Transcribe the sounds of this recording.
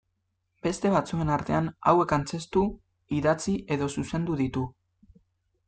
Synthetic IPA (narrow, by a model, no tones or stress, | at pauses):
be̞st̪e̞β̞at͡sue̞naɾt̪e̞ana̰we̞kant͡se̞st̪u | iðat͡siʔe̞ðo̞suse̞nd̪uðit̪u